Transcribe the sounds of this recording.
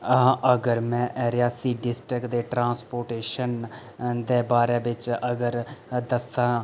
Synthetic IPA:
ʔəɡəɾmɛ̃ːʔɛːɾɪjaːsiːɖɪsʈɾɪkd̪eːʈɾãːnspoːɾʈeːʃən | d̪eːbaːɾeːʋɪt͡ʃəɡəɾd̪əsãː

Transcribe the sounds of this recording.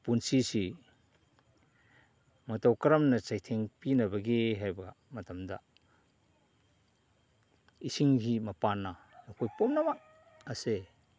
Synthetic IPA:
punsisi | mɐtawkɐɾɐmnɐt͡ʃajtʰeŋpinɐbɐɡeɦajba | mɐtɐmd̪a̰ | isiŋɦimɐpanːɐnɐkʰojpomnɐmak̚ | ɐse

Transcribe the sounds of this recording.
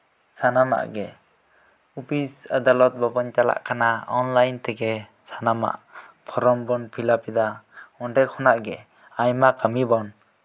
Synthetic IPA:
sʰanama̰ʔɡɛ | upʰisad̪alɔt̪̚bɔbɔnt͡ʃala̰ʔkʰanaɔnlajnt̪ɛɡɛ | sʰanama̰ʔpʰɔɾɔmbɔnpʰilapid̪aɔnɖɛɾkʰɔnaʔɡɛ | ajmakamibɔn

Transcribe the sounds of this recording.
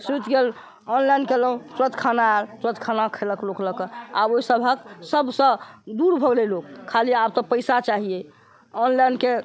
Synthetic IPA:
sut̪ɡel | ɔnlajnkeləɦũsɾət̪kʰanaɛlsɾət̪kʰanakʰeləklokləkəaboisəbʱəksəbʱsə̃d̪uɾbʱəɡlelokkʰːaliap̚t̪ɔpəjsat͡ʃaɦie | ɔnlajnke

